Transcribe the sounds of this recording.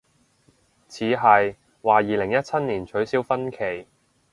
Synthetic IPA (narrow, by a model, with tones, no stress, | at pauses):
t͡sʰiː˨˧˥ɦɐ˨j | waː˨jiː˨lɪ˨˩ŋjɐ˥t̚t͡sʰɐ˥t̚niː˨˩nt͡ʃʰɵ˨˥ɥsiː˥wfɐ˥nkʰe˨˩j